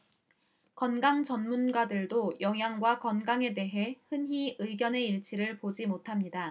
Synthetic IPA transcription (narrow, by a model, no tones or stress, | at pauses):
kʌnɡaŋt͡ɕʌnmunɡadɯɭdojʌŋjaŋɡwakʌnɡaŋe̞de̞ɦe̞hɯnɦiɯɡjʌne̞iɭt͡ɕʰiɾɯɭpod͡ʑimotʰamɲida